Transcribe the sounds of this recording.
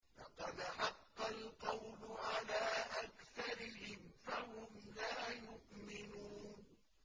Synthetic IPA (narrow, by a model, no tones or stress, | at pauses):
lɑqɑd̪ħɑqːɑlqɑwlʊʕalaːʔakθɑɾɪɦɪmfaɦʊmlaːjʊʔmɪnuːn